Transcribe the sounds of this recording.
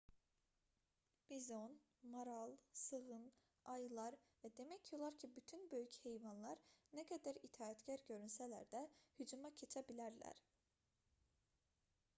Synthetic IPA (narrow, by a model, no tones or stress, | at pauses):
b̥izo̞n | maɾalˠsɯɣɯn | ajɯlˠaɾvɛd̪e̞mɛcʰjo̞lˠaɾcʰibyt̪ʰynbø̞jyche̞jvanlˠaɾnekʰad̪æɾit̪ʰaːɛt̪cʰæɾɟø̞ɾynselʲæ̰ɾd̪ɛhyd͡ʒumacʰe̞t͡ʃʰɛbilʲæɾlʲæ̰ɾ̥